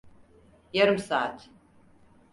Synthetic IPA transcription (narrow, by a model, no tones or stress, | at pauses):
jɛɾɨmsaa̰t̪ʰ